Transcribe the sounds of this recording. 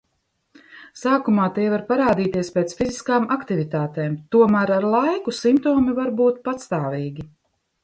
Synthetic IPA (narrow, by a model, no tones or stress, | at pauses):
saːkumaːt̪ɛːvaɾpaɾaːd̪iːt̪iɛspeːt̪sfiziskaːmakt̪ivit̪aːt̪eːmt̪uɔmæːɾaɾlˠajkusimpt̪oːmivaɾbuːt̪̚pat̪st̪aːviːɡʲi